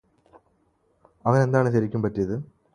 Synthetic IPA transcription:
ɐʋɐne̞nd̪aːɳɨɕɐɾikʲːumpɐtːijɐðɨ

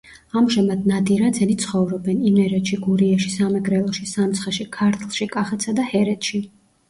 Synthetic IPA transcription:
amʒɛmad̪nad̪iɾad̪zɛnit̪sʰχɔvɾɔbɛnimɛɾɛt̪ʃiɡuɾiɛʃisamɛɡɾɛlˠɔʃisamt̪sʰχaʃikʰaɾt̪ʰlˠʃikʼaχɛt̪sad̪ahɛɾɛt̪ʃi

